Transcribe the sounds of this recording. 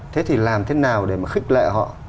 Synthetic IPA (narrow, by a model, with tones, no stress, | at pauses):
t̪ʰe˨˦t̪ʰi˨˩laː˨˩mt̪ʰe˨˦naː˨˩wɗe˧˩maː˨˩xï˦˥k̟̚lḛ˧˨ɦɔ̰˧˨